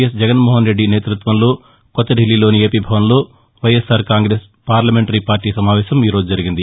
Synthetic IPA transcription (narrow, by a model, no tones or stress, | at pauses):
ɐsd͡ʒɛɡɐnmɔːɦɐnɾe̞ɖːine̞ːt̪ɾut̪ʋɐnlo̞ː | kɔt̪ːɐɖʱilːilo̞ːnie̞ːpiːbʱɐʋɐnlo̞ː | ʋɐjesaːɾkaːŋɡɾeːs | paːɾlɐmeɳʈɐɾipaːɾʈiːsɐmaːʋɛːʃɐmiːɾoːd͡ʒud͡ʒɐɾiɡind̪i